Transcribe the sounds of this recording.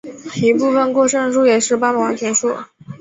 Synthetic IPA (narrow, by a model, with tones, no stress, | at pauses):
i˧˥pu˥˩fə˨˩nkwɔ˥˧ʂɤ˥˧ŋʂu˥jɛ˨˩ʂɻ̩˥˩˧pa˥mə˨˩wɑ˨˥˩t̪ʰɥɛ˧˥nʂɔ˥˩